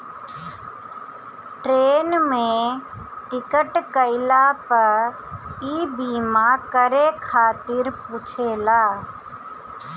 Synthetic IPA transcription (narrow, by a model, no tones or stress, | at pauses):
ʈɾeːnmẽ | ʈɪkəʈkəɪlapəɾ | iːbiːmaːkəɾekʰaːt̪ɪɾpʊt͡ʃʰeːlaː